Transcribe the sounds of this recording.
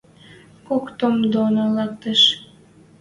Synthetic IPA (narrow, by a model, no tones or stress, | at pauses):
kokt̪omd̪onolɑk̚t̪eʃ